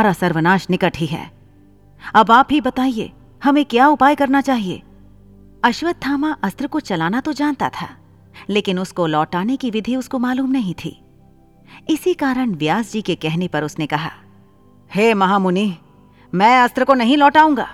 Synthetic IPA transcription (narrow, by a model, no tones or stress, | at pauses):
ɾasɐɾʋənaːʃnɪkəʈɦiɦɛ̰ː | ɐbaːpɦibɐt̪aːiḛː | hɐmẽkjaːʊpaːjkɐɾnat͡ʃaːɦiḛː | ɐʃwəd̪̚t̪ʰːaːmaʔɐst̪ɾəkot͡ʃɐlaːnat̪od͡ʒaːnt̪at̪ʰa̰ː | leːkɪnʊskolɔːʈaːnekiʋɪd̪ʱiʊskomaːluːmnɐɦĩt̪ʰḭː | ɪsikaːɾəɽ̃ʋjaːsd͡ʒikekɛɦnepɐɾʊsnekɐɦa̰ː | heːmɐɦaːmʊniɦ | mɛ̃ːɐst̪ɾəkonɐɦĩlɔːʈaːũːŋɡa̰ː